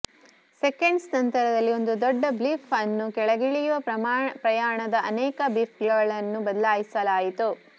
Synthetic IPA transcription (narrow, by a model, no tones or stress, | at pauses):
sekeɳɖsnɐnt̪ɐɾɐd̪ɐlːio̞nd̪ud̪ɔɖːɐblifɐnːukɛɭɐɡiɭijuʋɐɐpɾɐjaːɳɐd̪ɐʔɐnɛːkɐbipɡɐɡɐɭɐnːubɐd̪ɐlaːjisɐlaːjit̪u